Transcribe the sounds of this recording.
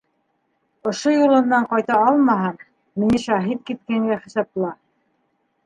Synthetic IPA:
ŏʃojulˠɤ̆nːɑɴqɑjt̪ɑɑlˠmɑɦɑm | mɘ̆niʃɑɦit̪̚kit̪̚kæŋɡæχɘ̆sɑp̚lˠɑ

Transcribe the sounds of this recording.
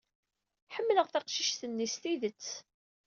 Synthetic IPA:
ħəmːləʁθɑqʃiʃθənːisθiðət͡sː

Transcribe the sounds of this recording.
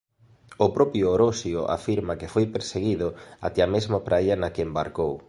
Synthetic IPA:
ʊpɾɔpjʊoɾosjoʔa̰fiɾmɐkɪfojpeɾseɣiðʊa̰t̪ɛɐmezmɐpɾʔajɐnɐkɪembaɾkow

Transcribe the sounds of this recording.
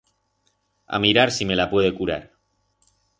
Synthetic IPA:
a̰miɾaɾsime̞lapwe̞ð̞e̞kuɾa̰ɾ

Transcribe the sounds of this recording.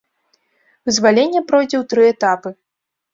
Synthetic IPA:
vɨzvalʲenʲːɛpɾɔjd͡zʲɛwt̪ɾɨɛt̪apɨ

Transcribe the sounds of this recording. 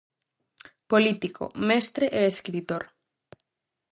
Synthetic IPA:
polit̪ikʰo̰mɛst̪ɾeʔeeskɾit̪oɾ

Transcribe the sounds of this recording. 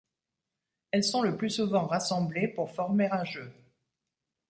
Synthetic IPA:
ɛlsɔ̃ləplysuvɑ̃ʁasɑ̃blepuʁfɔʁmeʁɛ̃ʒø

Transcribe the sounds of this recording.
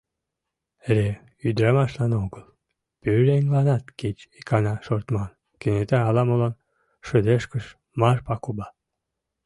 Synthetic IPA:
eɾe | yd̪ɾɑmɑʃlɑnoɡəlˠ | pyɾeŋlɑnɑt̪ket͡ɕikɑnɑʃort̪mɑn | kenet̪æɑlɑmolɑn | ʃə̆d̪eʃkə̆ʃ | mɑrpɑkubɑ

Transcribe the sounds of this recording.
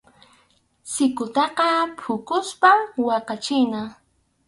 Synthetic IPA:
sɪkʊt̪ɑqɑpʰʊkʊspamwɑqɑt͡ʃɪna

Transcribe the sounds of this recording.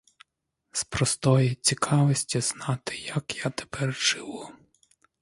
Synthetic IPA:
spɾɔst̪ɔjit͡sʲikʰɑʋɔsʲtʲiz̥nɑt̪ɪ̥jɐkjat̪e̥pɛrt͡ʃɪʋʊ

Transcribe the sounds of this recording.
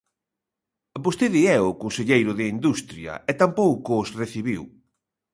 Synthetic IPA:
bost̪eðiɛʊkonseʎejɾʊðɪind̪ust̪ɾjɐ̰ʔɛt̪ampowkʊːsreθiβiw

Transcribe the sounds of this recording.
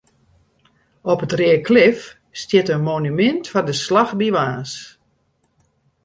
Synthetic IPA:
ɔpətrɪəkʰlɪf | stjɪtənmonymɪntfɔndəslaxdiʋaːs

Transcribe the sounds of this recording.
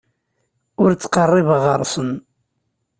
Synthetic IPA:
ʊɾt͡sːqərˤːɪvəʁəɾˤsən

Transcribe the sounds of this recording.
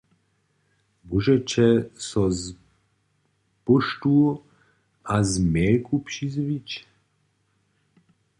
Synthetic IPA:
buʒɛt͡ʃʰɛsɔz | puʃt̪u | azmɛːkʼupʃizvit͡ʃ

